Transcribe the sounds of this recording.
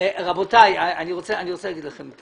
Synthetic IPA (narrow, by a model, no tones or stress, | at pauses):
ʁabotajaaniʁot͡seaniʁot͡selaɡidlaχemt